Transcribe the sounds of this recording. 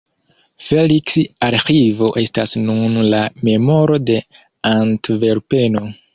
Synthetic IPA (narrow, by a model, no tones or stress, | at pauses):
feliksaɾxivo̞ʔe̞stasnunlame̞mo̞ɾo̞de̞ | antve̞ɾpe̞no̞